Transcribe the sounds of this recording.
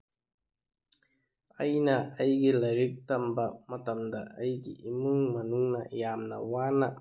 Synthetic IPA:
ɐjnɐɐjɡilɐɾik̚tɐmbɐmɐtɐmdɐʔɐjɡḭʔimɯŋmɐnuŋnɐ̰jamnɐ̰wana

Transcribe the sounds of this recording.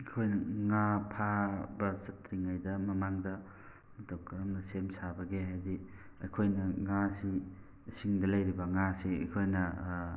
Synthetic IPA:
ɐkʰojnɐŋapʰabɐsɐtɾiŋajdɐmɐmaŋdɐ | mɐtʰokɐɾɐmnɐsemsabɐɡehajdi | ɐjkʰojnɐŋasi | siŋdɐlɐjɾibɐŋasiɐ̰jkʰojnɐ

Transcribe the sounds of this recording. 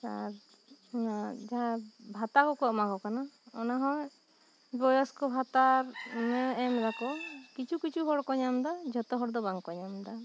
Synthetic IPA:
sa̰ɾ | ad͡ʒaɦãbʱat̪akɔkɔmakɔkanaɔnaɦɔ̃j | bɔjɔskɔbʱat̪aɾmɛɛmɾakɔkit͡ʃʰukit͡ʃʰuɦɔɽkɔɲamd̪ad͡ʒʱɔt̪ɔɦɔɽd̪ɔbaŋkɔɲamd̪a

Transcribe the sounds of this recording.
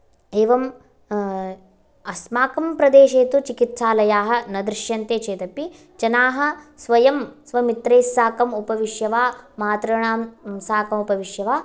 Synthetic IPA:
eːʋɐm | ɐsmaːkɐmpɾɐd̪eːʃeːt̪ut͡ʃikit̪saːlɐjaːɦɐ̆nɐd̪ɾɪʃjɐnt̪eːt͡ʃeːt̪ɐpi | t͡ʃɐnaːɦɐ̆sʋɐjɐmsʋɐmit̪ɾeːsːaːkɐmupɐʋiʃjɐʋaːmaːt̪ɾɐɳaːmsaːkɐmupɐʋiʃjɐʋaː

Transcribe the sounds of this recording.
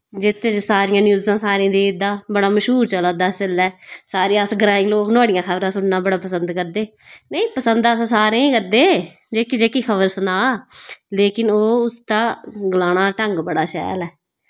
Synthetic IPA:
d͡ʒɪt̪ʰːeːt͡ʃsaːɾɪjãːnjuːzãːsaːɾẽːd̪iːd̪aːbəɽaːməʃɦuːɾt͡ʃəlaːd̪aːsɪlɛːsaːɾijãːsɡɾaːɪ̃ŋɡloːknaːɽɪjãːkʰəbɾãːsʊɽnãːbəɽaːpəsənd̪kəɾd̪eː | nəĩːpəsənd̪assaːɾẽːkəɾd̪eː | d͡ʒeːkid͡ʒeːkiːkʰəʋəɾsənaːleːkɪnoːʊst̪aːɡlaːnaːʈəŋɡbəɽaːʃɛ̰ːlɛː

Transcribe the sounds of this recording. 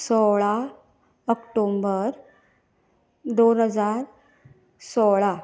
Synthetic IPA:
sɔɭa | əkʈombəɾ | d̪onɦəd͡zaɾ | sɔɭa

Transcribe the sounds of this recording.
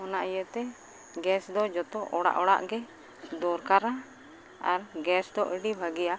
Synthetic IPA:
ɔnaʔijət̪ɛ | ɡɛsd̪ɔd͡ʒɔt̪ɔʔɔɽa̰ʔɔɽa̰ʔɡɛ | d̪ɔɾkaɾa | a̰ɾɡɛsd̪ɔʔiɖibʱaɡɛja

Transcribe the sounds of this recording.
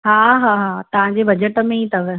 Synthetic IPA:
ɦaːɦaːɦaːt̪ɐʋ̤ãɲd͡ʑebɐd͡ʑəʈəmẽit̪ʰɐʋe

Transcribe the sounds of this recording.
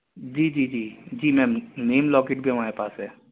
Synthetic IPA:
d͡ʒiːd͡ʒiːd͡ʒiːd͡ʒiːmɛ̃ːneːmlɔːkɪʈbʱiɦɐmaːɾepaːsɦɛː

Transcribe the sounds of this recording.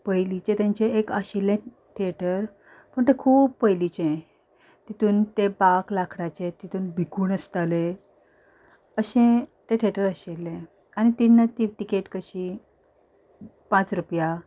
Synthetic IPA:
pəjlit͡ɕẽt̪jãɲt͡ɕeekaɕelːẽ | ʈʰeʈəɾ | pəɳt̪ekʰuːb̚pəjlit͡ɕẽ | t̪it̪uːnt̪ebaklakʰɽat͡ɕet̪it̪ʰuːnbʱikuːnəst̪ale | əɕẽt̪eʈʰeʈəɾaɕelːẽ | añit̪inːat̪iʈikeʈkəɕi | pãt͡sɾupja

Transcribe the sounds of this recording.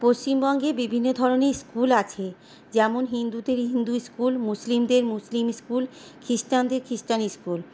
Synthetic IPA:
post͡ɕimbɔŋɡebibʱinːod̪ʱɔɾoneskulat͡ɕʰe | d͡ʑɛmonɦind̪ud̪eɾɦind̪uskulmuslimd̪eɾmuslimskulkʰɾisʈand̪eɾkʰɾisʈaniskul

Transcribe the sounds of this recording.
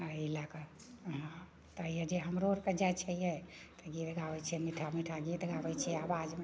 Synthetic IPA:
ailakə | ɦã | t̪əjɛd͡ʒeɦəmɾoɾked͡ʒajt͡ʃʰəjɛt̪əɡit̪ɡaʋɛt͡ʃʰɛmiʈʰamiʈʰaɡit̪ɡaʋɛt͡ʃʰɛɛabad͡ʒme

